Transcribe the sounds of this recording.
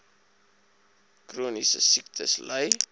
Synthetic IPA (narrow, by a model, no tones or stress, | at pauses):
kruːnisə̰sik̚tʰə̰sləj